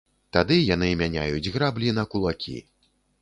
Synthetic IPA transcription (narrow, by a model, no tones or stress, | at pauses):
t̪ad̪ɨjanɨmʲanʲa̰jud͡zʲɣɾablʲinɐkulˠakʲʰḭ